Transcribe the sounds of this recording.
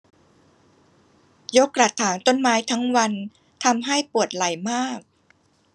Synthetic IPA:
jo˦˥kːɾa˨˩t̪ʰːaː˩˦ŋt̪o˥˩nmaː˦˥jt̪ʰa˦˥ŋwa˧n | t̪ʰa˧mɦa˥˩jpu˨˩ət̪̚la˨˩jmaː˥˩k̚

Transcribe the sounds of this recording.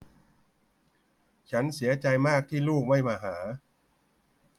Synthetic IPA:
t͡ɕʰa˦˥nsi˩˦ɐt͡ɕa˧jmaː˥˩k̚t̪ʰiː˥˩luː˥˩k̚ma˥˩jmaː˧ɦaː˩˦

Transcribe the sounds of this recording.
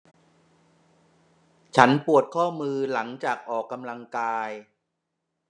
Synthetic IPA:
t͡ɕʰa˦˥npu˨˩ət̪̚kʰɔː˥˩mɯː˧la˩˦ŋt͡ɕaː˨˩k̚ʔɔː˨˩kːa˧mla˧ŋkaː˧j

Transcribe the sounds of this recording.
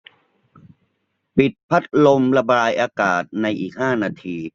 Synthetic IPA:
pi˨˩t̪̚pʰa˦˥t̪̚lo˧mla˧baː˧jʔaː˧kaː˨˩t̪̚na˧jʔiː˨˩k̚haː˥˩naː˧t̪ʰiː˧

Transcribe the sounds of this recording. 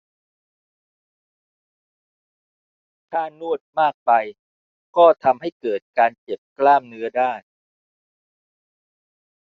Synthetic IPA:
t̪ʰaː˥˩nu˥˩ət̪̚maː˥˩k̚pa˧j | kɔː˥˩t̪ʰa˧mɦa˥˩jkɤː˨˩t̪̚kaː˧nt͡ɕe˨˩p̚klaː˥˩mnɯ˦˥ɐdaː˥˩j

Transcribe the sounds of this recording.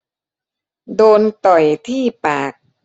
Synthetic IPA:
doː˧nt̪ɔ˨˩jt̪ʰiː˥˩paː˨˩k̚

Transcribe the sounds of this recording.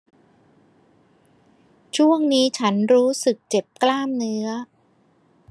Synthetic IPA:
t͡ɕʰu˥˩əŋniː˦˥t͡ɕʰa˦˥nɾuː˦˥sɯ˨˩k̚t͡ɕe˨˩p̚klaː˥˩mnɯ˦˥ɐ

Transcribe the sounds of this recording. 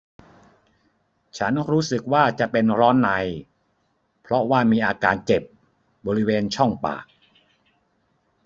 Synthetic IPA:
t͡ɕʰa˦˥nɾuː˦˥sɯ˨˩k̚waː˥˩t͡ɕa˨˩pe˧nɾɔː˦˥nːa˧j | pʰɾɔ˦˥waː˥˩miː˧ʔaː˧kaː˧nt͡ɕe˨˩p̚ | bɔː˧ɾi˦˥weː˧nt͡ɕʰɔ˥˩ŋpa̰ː˨˩k̚

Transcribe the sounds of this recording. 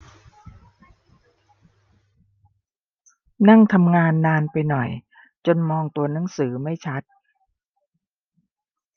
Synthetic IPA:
na˥˩ŋt̪ʰa˧mŋaː˧nːaː˧npa˧jnɔ˨˩j | t͡ɕo˧nmɔː˧ŋt̪u˧ɐna˩˦ŋsɯː˩˦ma˥˩jt͡ɕʰa˦˥t̪̚

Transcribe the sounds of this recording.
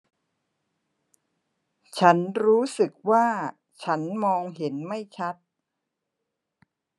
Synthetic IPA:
t͡ɕʰa˦˥nɾuː˦˥sɯ˨˩k̚waː˥˩ | t͡ɕʰa˦˥nmɔː˧ŋɦe˩˦nma˥˩jt͡ɕʰa˦˥t̪̚

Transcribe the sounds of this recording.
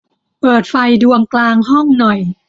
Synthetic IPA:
pɤː˨˩t̪̚fa˧jdu˧əŋklaː˧ŋɦɔ˥˩ŋnɔ˨˩j

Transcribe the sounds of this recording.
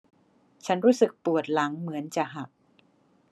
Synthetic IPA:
t͡ɕʰa˦˥nɾuː˦˥sɯ˨˩k̚pu˨˩ət̪̚la˩˦ŋmɯ˩˦ənt͡ɕa˨˩ʔɦa˨˩k̚

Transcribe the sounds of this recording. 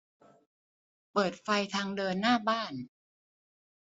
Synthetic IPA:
pɤː˨˩t̪̚fa˧jt̪ʰaː˧ŋdɤː˧nːaː˥˩baː˥˩n

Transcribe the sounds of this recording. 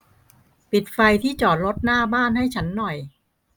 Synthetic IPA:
pi˨˩t̪̚fa˧jt̪ʰiː˥˩t͡ɕɔː˨˩t̪̚ɾo˦˥t̪̚naː˥˩baː˥˩nɦa˥˩jt͡ɕʰa˦˥nːɔ˨˩j

